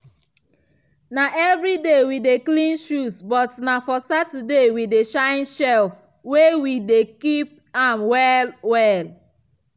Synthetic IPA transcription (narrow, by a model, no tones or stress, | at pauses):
naʔɛvɾidewideklĩnʃusbɔtnafɔsatudewideʃãɪ̃nʃɛl | wewidekip̚ | ãmwɛlwɛl